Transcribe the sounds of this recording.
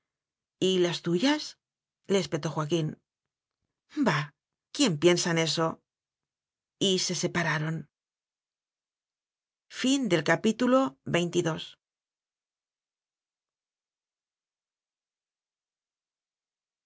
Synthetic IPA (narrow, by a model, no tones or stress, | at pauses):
ilast̪uʝas | le̞spe̞t̪o̞xwak̬in | ba | kje̞mpje̞nsane̞so̞ | ise̞se̞paɾaɾo̞n | find̪e̞lkapit̪ulo̞βe̞jnt̪iðo̞s